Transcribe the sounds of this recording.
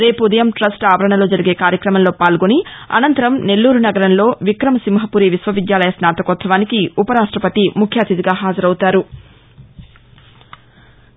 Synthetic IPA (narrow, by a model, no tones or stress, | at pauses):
ɾe̞ːpud̪ɐjɐmʈɾɐsʈaːʋɐɾɐɳɐlo̞ːd͡ʒɐɾiɡe̞ːkaːɾjɐkɾɐmɐmlo̞ːpaːlɡo̞niɐ̰nɐnt̪ɐɾɐmne̞lːuːɾunɐɡɐɾɐnlo̞ːʋikɾɐmɐsimɦɐpuːɾiʋisʋɐʋid̪jaːlɐjɐsnaːt̪ɐkoːt̪sɐʋaːnikiupɐɾaːʂʈɾɐpɐt̪imukʰjaːt̪id̪iɡaːɦaːd͡ʒɐɾɐwut̪aːɾu